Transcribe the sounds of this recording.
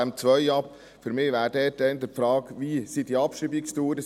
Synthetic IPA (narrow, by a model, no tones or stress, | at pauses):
æmt͡sʋœʏɑp | fəɾmɪːʋæːɾdɛːt̚dɛnd̪əfɾɑːkʋiːsidiɑpʃibikstuːɾə